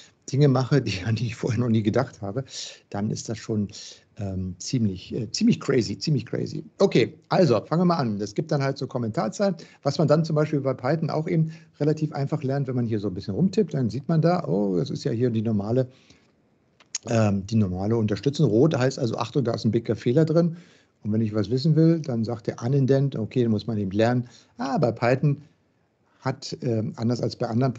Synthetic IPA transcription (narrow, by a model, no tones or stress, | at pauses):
d̥ɪŋəmaχədiːandiːɪçfoːɐhɛːɐnɔχniːɡədaχthaːbəd̥anʔɪ̰std̥asʃoːn | ʔɛːmt͡siːmlɪçʔɛːt͡siːmlɪçkʁ̥ɛɪzit͡siːmlɪçkʁ̥ɛ̰ɪzḭʔokʰeːʔalzofaŋəviɐmaːlʔand̥asɡ̥iːp̚td̥anhaltz̥oːkʰɔmɛntʰaːɐt͡saːnvasmandant͡sʊmbaɪʃpiːlbaɪpʰaɪtn̩ʔa̰ʊxʔeːbm̩tʁelatʰiːfʔa̰ɪnfaχlɛɐntv̥ɛnmanhiːɐzoːnbɪsçənʁʊmtʰɪp̚td̥anziːtmandaːʔoːdasɪ̰stja̰ːhiːɐdiːnɔɐmaːlə | ʔɛːmd̥iːnɔɐmaːləʊntɐʃtʏt͡sʊŋʁoːthaɪstʔalzo̰ʔa̰χtʊŋdaːɪsn̩bɪkɐfeːlɐdʁɪn | ʔʊntvɛnɪçv̥asv̥ɪs̬n̩vɪldanzaːkt̚d̥eːɐʔanɛndɛntokʰeːdanmʊsmanʔeːbm̩tlɛɐnən | ʔaːbaɪpʰaɪtn̩ | hatʔɛːʔa̰ndɐsalsb̥aɪʔandɐʁən